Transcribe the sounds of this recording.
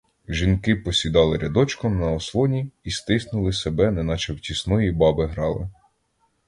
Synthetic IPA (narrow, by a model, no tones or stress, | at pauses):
ʒinkɪpɔsʲid̪ɑlˠɪɾʲɐd̪ɔt͡ʃkɔmnɐɔslˠɔnʲiist̪ɪsnʊlˠɪsebɛnɛnɑt͡ʃɐwtʲisnɔjibɑbɪɦɾɑlˠɪ̰